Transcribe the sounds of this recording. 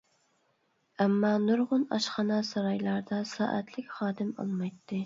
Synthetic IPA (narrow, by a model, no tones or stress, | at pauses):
æmːɑnuɾʁʊnɑ̰ʃχɑnɑsɑɾɑjlˠɑɾd̪ɑsɑ̰ːʔɛt̪ʰlɪkʲχɑːd̪ɪmɑ̰lˠmɑjt̪ʰːɪ